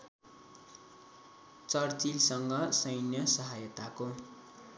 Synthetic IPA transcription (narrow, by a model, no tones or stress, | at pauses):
t͡sʌrt͡silsʌŋɡʌsʌjnjʌsʌɦajʌt̪ako